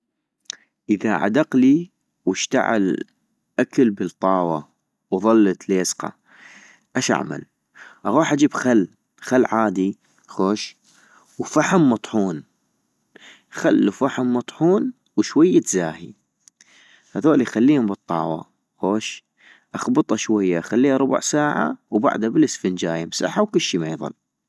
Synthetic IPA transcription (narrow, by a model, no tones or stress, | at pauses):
ʔəðaʕa̰d̪ɑqli | wɪʃt̪a̰ʕɪ̰l | ʔakalbət̪ˤːɑːwɑ | wðˤɑlːt̪leːsqɑ̰ | ʔaʃa̰ʕma̰l | ʔɑɣuːħʔad͡ʒiːbxalː | xalːʕaːd̪i | xoːʃ | wfaħʊmːɑt̪ˤħuːn | xalːufaħamːɑt̪ˤħuːn | wʃwajːat̪zaːhḭ | haðoːlijxalːiːhʊmbɨt̪ˤːɑ̰ːwɑ̰ | xoːʃ | ʔɑxbɨt̪ˤɑʃwajːaxalːiːhaɾˤʊba̰ʕsaːʕa̰wba̰ʕd̪abɪlɪsfɪnd͡ʒaːjɪmsa̰ħːawkʊlːʃiːmeːðˤɑ̰l